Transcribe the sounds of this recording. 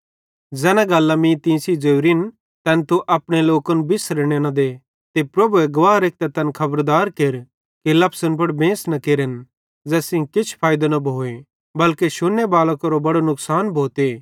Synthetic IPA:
d͡zɛːnãɡɐlːãmĩt̪ĩːsid͡ʒeːɾin | t̪ɛnt̪uʔɐpɽ̃eloːkənbɪsɾeɽ̃enɐ̃d̪e | t̪epɾɐbuɛɡɐʋaːɾeːk̚t̪at̪ɐnkʰɐbəɾd̪aːɾkeːɾ | kilɐpsənp̬ɐɽbẽːsnɐkeːɾen | d͡zɛːsĩkɪt͡ʃʰpʰaːjd̪anɐbʱoːe | bɐlkeʃʊnːebaːlɐkɐɾobɐɽonʊksaːnbʱoːt̪eː

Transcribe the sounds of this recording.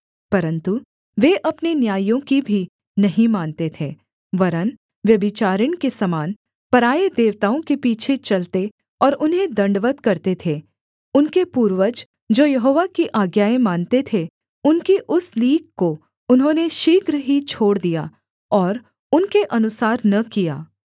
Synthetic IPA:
pɐɾə̃nt̪u | ʋeʔɐpnenjaːjjõkibʱi | nɐɦĩmaːnt̪et̪ʰeː | ʋɐɾən | ʋjɐbɪt͡ʃaːɾəɽ̃kesɐmaːn | pɐɾaːed̪eːʋt̪aːõkepiːt͡ʃʰet͡ʃɐlt̪e | ɔːɾʊnɦẽd̪ɐ̃ɳɖʋət̪kɐɾt̪et̪ʰe | ʊnkepuːɾʋəd͡ʒ | d͡ʒoːjɐɦoːʋakiʔaːɡjaːẽmaːnt̪et̪ʰe | ʊnkiʔʊsliːkko | ʊnɦõːneʃiːkɾəɦit͡ʃʰoːɽd̪ijaː | ɔːɾ | ʊnkeʔɐnʊsaːɾnɐkija̰ː

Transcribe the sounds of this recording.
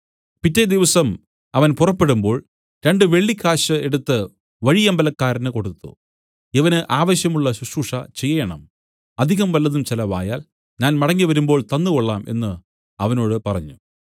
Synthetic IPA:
pitːed̪iʋɐsɐm | ɐʋɐnpurɐpːe̞ɽumbo̞ːɭ | ɾe̞ɳɖɨʋe̞ɭːikːaːɕɐe̞ɽut̪ːɨ | ʋɐɻijɐmbɐlɐkːaːɾɐnɨko̞ɽut̪ːṵ | eʋɐnɨʔaːʋɐɕjɐmuɭːɐɕuʂuːʂɐt͡ɕe̞jːɐjɐɳɐ̰m | ɐd̪ʱiɣɐmʋɐlːɐðumt͡ɕilɐʋa̰ːjaːl | ɲaːnmɐɽɐŋːiʋɐɾumboːɭt̪ɐnːɨkoɭːaːmʔe̞̰nːɨ | ɐʋɐno̞ːɽɨpɐrɐɲːu

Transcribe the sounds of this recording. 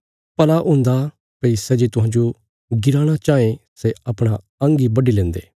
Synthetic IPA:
pɐlaʔʊ̃ːnd̪a | pɐisɛːd͡ʒet̪ʊɦãːd͡ʒo | ɡɪɾaːɽ̃at͡ʃaːẽseɐpɽ̃a | ɐ̃ŋɡibɐɖilɛ̃ːnd̪ḛː

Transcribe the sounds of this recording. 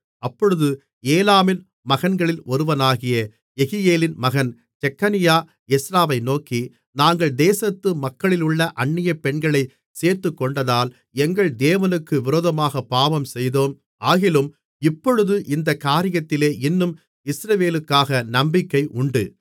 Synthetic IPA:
ɐpːɔɻɯðɯ | eːlaːmɪn | mɐɣɐnɡɐɭɪlɔɾɯʋɐnaːɣɪjɐ | ɛɣɪjeːlɪnmɐɣɐn | t͡ʃɛkːɐnɪjaː | ɛsɾaːʋɐɪnoːki | naːŋɡɐɭd̪eːsɐt̪ːɯmɐkːɐɭɪlʊɭːɐʔɐɳːɪjɐpɛɳɡɐɭɐɪ | seːɾt̪ːɯkːɔɳɖɐðaːl | ɛŋɡɐɭd̪eːʋɐnɯkːɯʋɪɾoːðɐmaːɣɐpːaːʋɐmsɛjðoːm | aːɣɪlɯm | ɪpːɔɻɯðɯʔɪnd̪ɐkaːɾɪjɐt̪ːɪleːʔɪnːɯm | ɪsɾɐʋeːlɯkːaːɣɐnɐmbɪkːɐɪʔʊɳɖɯ

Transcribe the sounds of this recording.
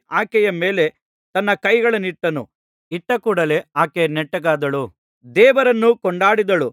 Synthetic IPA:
aːkɛjɐmeːle̞ | t̪ɐnːɐkɐjɡɐɭɐnːiʈːɐnṵ | iʈːɐkuːɽɐle̞aːkenɛʈːɐɡaːd̪ɐɭu | d̪ɛːʋɐɾɐnːukɔɳɖaːɽid̪ɐɭu

